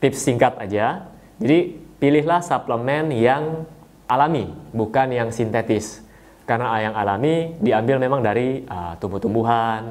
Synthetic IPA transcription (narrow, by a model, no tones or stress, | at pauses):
t̪ɪpsiŋkat̪ad͡ʒa | d͡ʒadipilɪɦlahsapləmɛnjaŋ | ʔalamibukanjaŋsint̪et̪ɪs | karnajaŋalamidiambɪlmemaŋdaɾiət̪umbut̪umbuɦan